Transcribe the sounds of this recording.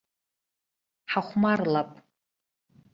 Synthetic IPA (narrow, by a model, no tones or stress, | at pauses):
ħaχʷmarlapʼ